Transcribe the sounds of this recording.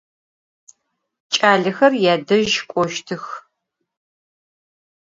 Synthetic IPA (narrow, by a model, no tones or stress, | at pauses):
t͡ʃʼaːɮɨxɐrjaːdɐʒkʷʼɔʃtʰɨx